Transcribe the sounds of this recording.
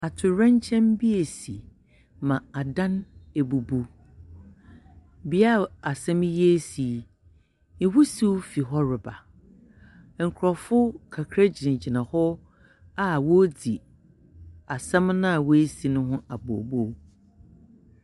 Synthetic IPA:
a˨tʰʊ˨ɾɛ̃˦ɲ˦t͡ɕʰɛ̃˦mbi˦e˨si˨ | mã˨a˨dã˦ne˨bu˨bu˦ | bi˨a˦˨a˨sɛ̃˦m˦ji˦e˦si˨ | nɪ̃˨wu˦si˦wfi˨ɦɔ˦ɾɪ˨ba˨ | ŋ̩˨kʰɾɔ˨fʊ˦kʰa˨kʰɾa˦d͡ʑi˨nɪ̃˨d͡ʑi˨nã˨hɔ˦ | a˦wo˦di˨ | a˨sɛ̃˦mnã˦a˨we˦si˨nʊ̃˦ɦʊ̃˦a˨bo̰˨bo˦˨˦

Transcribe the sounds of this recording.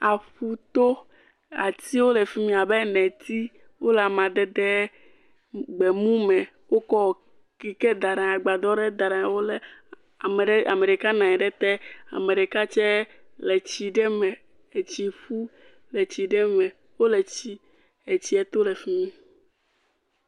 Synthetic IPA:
a˨ɸu˦t̪o˦ | a̰˨t̪i˦wo˦le˨fi˦mĩ˦a˨be˦nɛ̃˨t̪i˦ | wo˦lɛ˨a˨mã˨d̪ɛ˦d̪ɛ˦ | ɡ͡bɛ˨mũ˦mɛ̃˨ | wo˦kɔ˦˨ | ki˨ke˦d̪a˨ɖã˨a˨ɡ͡ba˨d̪ɔ˦ɖɛ˦d̪a˨ɖã˨a˨˦wo˦le˨ | me˨˦a̰˨me˨ɖe˨ka˦nã˨ɛ˨ɖɛ˦t̪ɛ˦a̰˨me˨ɖe˨ka˦t͡ʃɛ˦ | le˨t͡ɕi˨ɖɛ˦mɛ̃˨ | e˨t͡ɕi˨ɸu˦ | le˨t͡ɕi˨ɖɛ˦mɛ̃˨ | wo˦le˨t͡ɕi˦ | e˨t͡ɕi˦ɛ˦t̪o˦le˨fi˦mĩ˦

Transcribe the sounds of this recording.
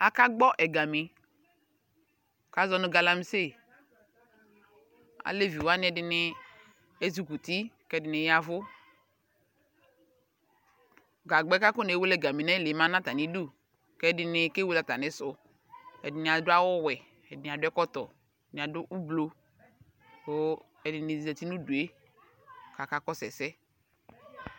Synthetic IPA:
a˨ka˦ɡ͡bɔ˦ʔɛ˨ɡa˨mi˨ | ka˦zɔ˦nʊ̃˦ɡa˨la˦m˦se˦˨ | a̰˨le˦vi˨wa˦nɪ̃˦ɛ˨dɪ˨nɪ˦ | e˦zi˨ku˨t̪i˦kɛ˦dɪ˨nɪ˨ja˨vʊ˦ | ɡa˨ɡ͡bɛ˦ka˦kʊ˦ne˨˦we˦lɛ˦˨ɡa˨mi˨nɛ˦le˨˦mã˦nã˦t̪a˨nɪ˦du˦˨ | kɛ˦dɪ˨nɪ˨ke˦we˦la˨t̪a˨nɪ˨sʊ˨ | ɛ˨dɪ˨nɪ˨a˨dʊ˦a˦wɔ˦wɛ˨ | ɛ˨dɪ˨n˨a˨dʊ˦ɛ˦kɔ˦t̪ɔ˨ | nɪ̃˨a˨dʊ˦ʔu˦blo˨ | o˦ | ɛ˨dɪ˨nɪ˨i˨ɛ˨ti˦nũ˦du˨e˦ | ka˨ka˦kɔ˦sɛ˨sɛ˦

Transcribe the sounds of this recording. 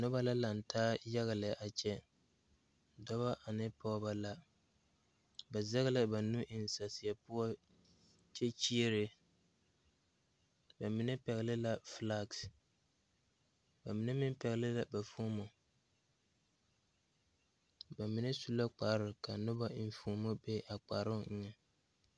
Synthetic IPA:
nʊ˦ba˦la˦la˨n̩˨tʰaː˦ja˦ɣa˨lɪ˨ʔa˨t͡ʃɛ˦ | dɔ˦βa˦ʔa˨nɪ˦pʰɔ˦ba˦la˦ | ba˨zɛ˦ɣɪ˦lɪ˦ba˨nu˦ʔɪ˨n˨sa˨sɪ˨ja˨pʊ˦ɔ˦ | t͡ʃɛ˦t͡ʃi˦e˦ɾɪ˨ | ba˨mɪ˦nɛ˦pɛ˨ɣɪ˨lɪ˦la˦fla˦ɡs | ba˨mɪ˨˦nɛ˦mɪ˦mpɛ˨ɣɪ˨lɪ˦la˨ba˨fo˦mo˨ | ba˨mɪ˨nɛ˦su˦la˦k͡paː˨ɾɪ˨ka˨nʊ˦ba˦ɪ˨n˨˦foː˨˦mo˦be˦ʔa˨k͡pa˨ɾɪ˦ŋɛ˦

